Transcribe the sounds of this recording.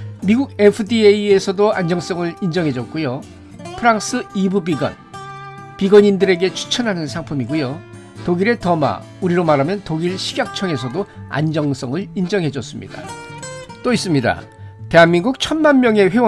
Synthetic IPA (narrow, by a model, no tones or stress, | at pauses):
miɡuɡe̞pʰɯdieie̞sʰʌdoand͡ʑʌŋs͈ʌŋɯɭind͡ʑʌŋɦe̞d͡ʑʌt̚k͈ujo | pʰɯɾaŋs͈ʰɯibubiɡwʌ̰n | piɡʌɲindɯɾe̞ɡe̞t͡ɕʰu̥t͡ɕʰʌnɦanɯnsʰaŋpʰumiɡujo | toɡiɾe̞tʌma̰ | uɾiɾomaɾɦamjʌntoɡiɭɕʰiɡjak̚t͡ɕʰʌŋe̞sʰʌdoa̰nd͡ʑʌŋs͈ʌŋɯɭind͡ʑʌŋɦe̞d͡ʑʌs͈ɯmɲḭda̰ | t͈ois͈ɯmɲida̰ | te̞ɦanminɡuk̚t͡ɕʰʌnmanmjʌŋe̞ɸe̞wʌ